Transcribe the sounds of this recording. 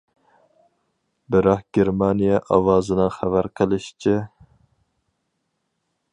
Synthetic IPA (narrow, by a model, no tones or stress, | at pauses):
bɪɾɑχɡ̥ʲeɾmɑnijɛʔɑwɑːzɨnɨnχævæɾqʰəlˠɨʃt͡ʃʰi